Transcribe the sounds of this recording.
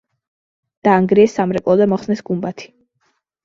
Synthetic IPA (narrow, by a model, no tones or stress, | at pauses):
d̪̥aːŋɡɾiɛsamɾɛkʼɔlɛmɔχsnɛsɡ̥umbat̪ʰi̥